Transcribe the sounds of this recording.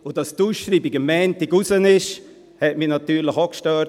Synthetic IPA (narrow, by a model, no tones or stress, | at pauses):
ʊdɑstuːsʃɾiːbiɡəmːɛːntɪɡusənɪʃ | hɛtminɑt̪yːɾləχɔkʃtœ